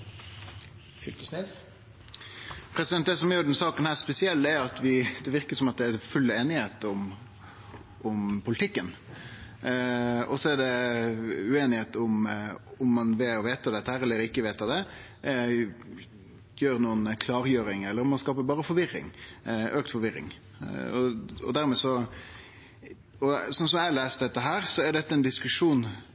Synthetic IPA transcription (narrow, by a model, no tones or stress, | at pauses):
flkəsnes | pʰɾɛsɪd̪ɛnt̪̚d̪ɛsɔmjʉːɖɛnsɑːkənhæːɾspɛsɪɛlt̪ɛɾɑt̪ʋɪd̪ɛʋɪɾkəsɔmɑt̪̚d̪ɛæɾfʉlːeːnɪheːt̪ʊm | ʊmpʰʊlɪt̪ʰɪkːən | ɔ̰sɔæɖɛ | ʉeːnɪheːt̪ʊmʊmːɑnʋɪlɔʋeːt̪ɑd̪ɛt̪ːəhæːɾɛlːəɾɪkːəʋeːt̪ɑd̪ɛ | jøːɾnuːənkʰlɑːɾjøːɾɪŋɛlːəɾɔmːɑnskɑːpəbɑːɾəfɔɾʋɪɾɪ̰ŋʔøːkt̪fɔɾʋɪɾːɪ̰ŋ | ɔ̰ɔ̰d̪æɾmɛːsɔ | ɔsɔns̬ɔmæɪɑleːst̪d̪ɛt̪ːəɦæːɾsɔæɾɖ̪ɛt̪ːəɛnd̪ɪskʉʂuːn